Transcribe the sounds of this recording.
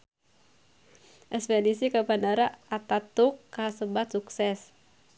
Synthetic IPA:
ʔɛspɛdisikapanaɾaat̪at̪ukːasəbat̪suksɛs

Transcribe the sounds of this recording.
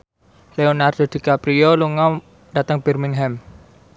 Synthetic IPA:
leonard̪̥o̤d̪̥i̤kapɾioluŋɔ | ɖ̥at̪əŋb̥ɛrmiŋɦɛm

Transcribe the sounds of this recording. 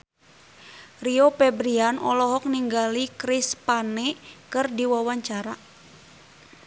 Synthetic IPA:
riopɛbɾianɔlɔɦɔk̚niŋɡalikɾispanɛkɨrdiwawaɲt͡ʃaɾa

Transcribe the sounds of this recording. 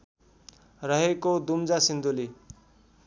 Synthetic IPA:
rʌɦekod̪umd͡zasind̪uli

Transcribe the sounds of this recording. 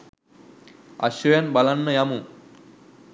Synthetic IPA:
a̰ɕɾojanbalanːəjamu

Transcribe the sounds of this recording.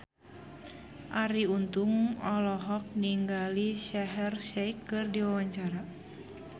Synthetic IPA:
ʔaɾiunt̪uŋɔlɔɦɔk̚niŋɡaliʃɛɦɛrʃɛikːɨrdiwawaɲt͡ʃaɾa

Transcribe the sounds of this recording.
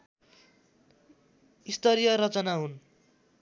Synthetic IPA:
ist̪ʌɾijʌɾʌt͡sʌnaɦun

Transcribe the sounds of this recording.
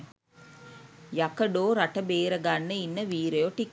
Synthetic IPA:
jɐkɐɖoːɾɐʈɐbeːɾɐɡɐnːɐinːɐʋiːɾɐjoːʈikː

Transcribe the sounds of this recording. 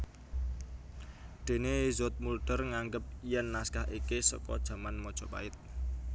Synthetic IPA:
d̪̥e̤nezot̪̚mulɖ̥ərŋaŋɡəp̚ijɛnːaskaɦikesɔ̰kɔ̰d̥ʒ̥a̤manmɔd̥ʒ̥ɔ̤pa̰ɪt̪̚

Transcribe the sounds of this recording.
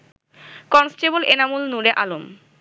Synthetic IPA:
kɔnsʈebolenamulnuɾeʔalom

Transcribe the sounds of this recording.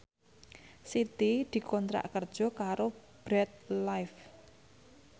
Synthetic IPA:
sit̪id̪̥i̤kʰɔnt̪ɾa̰ʔkərd̥ʒ̥ɔ̤kaɾob̥ɾɛt̪̚lajf

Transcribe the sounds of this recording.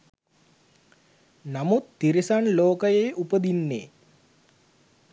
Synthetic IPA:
namut̪ːiɾisanloːkəjejʔupəd̪inːḛː

